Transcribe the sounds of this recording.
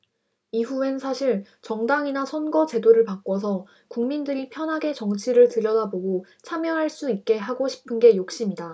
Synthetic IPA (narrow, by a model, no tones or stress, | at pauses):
iɸuensʰaɕʰiɭ | t͡ɕʌŋdaŋinasʰʌnɡʌt͡ɕe̞doɾɯɭpak͈wʌsʰʌ | kuŋmindɯɾipʰjʌnɦaɡe̞t͡ɕʌŋt͡ɕʰiɾɯɭtɯɾjʌdaboɡo | t͡ɕʰamjʌɦaɭs͈uit̚k͈e̞ɦaɡoɕʰi̥pʰɯnɡe̞jok̚ɕ͈imida